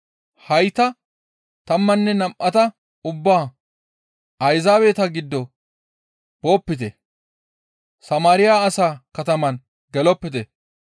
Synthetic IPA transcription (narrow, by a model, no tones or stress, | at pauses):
hɐjt̪ɐ | t̪ɐmːɐnːɛnɐmʔɐt̪ɐ | ʊbːaː | ɐjzaːweːt̪ɐɡɪd̪ːɔ | b̥o̞ːpːɪt̪ɛ | sɐmaːɾɪjaːsaːkɐt̪ɐmɐn | ɡɛlɔpːɪt̪ɛ